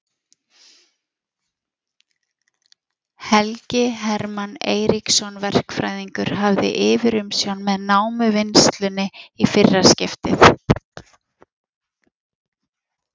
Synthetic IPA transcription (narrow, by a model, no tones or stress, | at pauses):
hɛlcɪɦɛɾmanḛːjɾiksɔnvɛr̥kfɾa̰ːjðiŋkʏɾ̥ɦavðɪ̰ʔɪːvɪɾʏmsjawnmɛðnaːwmʏvɪnst̪lʏnːɪifɪrːḁscɪft̪ɪ̰θ